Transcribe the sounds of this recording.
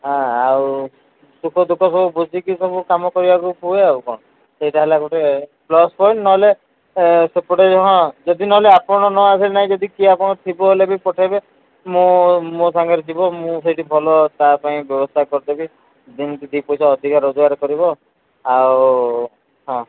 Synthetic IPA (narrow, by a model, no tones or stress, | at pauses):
ɦãaw | sukʰɔd̪ukʰɔsɔbubud͡ʒikisɔbukamɔkɔɾibakupueaukɔɽ̃ɔ | sejʈaɦelakɔʈeplɔspʰɔjɳʈnɔɦɔle | sepɔʈed͡ʒɦɔ̃d͡ʒɔd̪inɔɦɔleapɔɽ̃ɔnɔasilenaɦĩd͡ʒɔd̪ikiapɔɽ̃ɔt̪ʰibɔɦelebipɔʈʰabe | mõmot̪ʰaŋɡaɾet̪ʰibɔmũs̬ejʈibʱɔlɔt̪apaĩbjɔbɔst̪ʰakɔɾt̪ebi | d̪int̪id̪ipɔjsaɔd̪ʱikaɾɔd͡ʒɔɡaɾkɔɾibɔ | aw | ɦɔ̃